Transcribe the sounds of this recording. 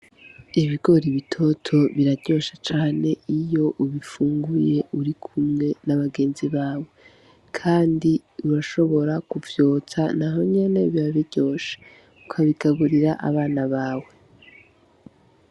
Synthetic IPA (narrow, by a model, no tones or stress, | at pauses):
iβiɡo̞ɾiβitʰo̞tʰo̞βiɾaɾɟo̞ːʃat͡ʃaːne̞ijo̞ʔuβifuːŋɡuje̞ʔuɾikʰumŋe̞naβaɡe̞ːnziβaːwe̞ | kʰaːndiuɾaʃo̞βo̞ɾakuvjo̞ːt͡sanaɦo̞ɲe̞ne̞βiɾaβiɾɟ̥o̞ːʃḁ | ukʰaβiɡaβuɾiɾaʔa̰βaːnaβaːwe̞